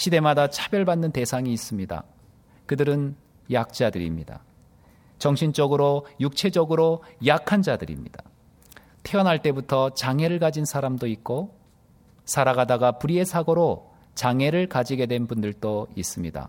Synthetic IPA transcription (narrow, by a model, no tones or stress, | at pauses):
ɕʰide̞madat͡ɕʰabjʌɭbanːɯnte̞sʰaŋiːs͈ɯmɲida̰ | kɯdɯɾɯn | jak̚t͡ɕ͈adɯɾḭmɲida̰ | t͡ɕʌŋɕʰint͡ɕ͈ʌɡɯɾojuk̚t͡ɕʰe̞d͡ʑʌɡɯɾojakʰand͡ʑadɯɾḭmɲḭda | tʰeʌnɦaɭt͈e̞butʰʌt͡ɕaŋe̞ɾɯɭkad͡ʑinsʰaɾamdoik̚k͈o | sʰaɾaɡadaɡapuɾie̞sʰaɡoɾo | t͡ɕaŋeɾɯɭkad͡ʑiɡe̞dwe̞nbundɯɭt͈ois͈ɯmɲida̰